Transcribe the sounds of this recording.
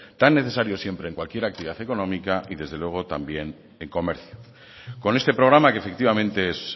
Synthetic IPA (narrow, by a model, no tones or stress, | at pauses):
t̪anːe̞θe̞saɾjo̞sje̞mpɾe̞ːŋkwalkje̞ɾakt̪iβiðaθe̞ko̞nõ̞mikaʔiðe̞zð̞e̞lwe̞ɣ̞o̞t̪ambje̞n | eŋko̞me̞ɾθjo̥ | ko̞ne̞st̪e̞pɾo̞ɣ̞ɾamakefe̞kt̪iβamẽ̞nt̪e̞es